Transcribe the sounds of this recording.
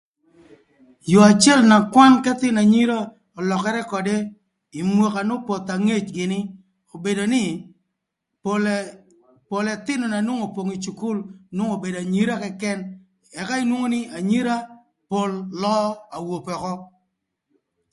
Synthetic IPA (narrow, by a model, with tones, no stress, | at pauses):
jo˨a˨t͡ʃɪ˦ɛ˦˨lna˨kwa˦nkɛ˦t̪ɪ˦na˨ɲi˦ɾa˦ | ɔ˨lɔ˨kɛ˨ɾɛ˦kɔ˨de˦ | i˨mwo˨ka˨no˦po˨t̪a˨ŋe˦˨t͡ʃɡɪ˨nɪ˦ | o˨be˨do˨nɪ˦ | po˨lɛ˨t̪ɪ˦nɔ˨na˨nwo˦ŋo˨pwo˨ŋi˨t͡ʃu˨ku˦lnwo˦ŋo˨be˨da˨ɲi˦ɾa˦kɛ˦kɛ˦n | ɛ˨ka˦i˦nwo˦ŋo˦nɪ˦a˨ɲi˦ɾa˦ | po˦lːɔ˦a˨wo˨pɔ˨kɔ˦